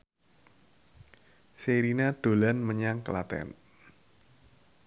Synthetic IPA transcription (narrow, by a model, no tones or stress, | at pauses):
seɾinaɖ̪̥o̤lanməɲaŋkəlat̪ɛ̰n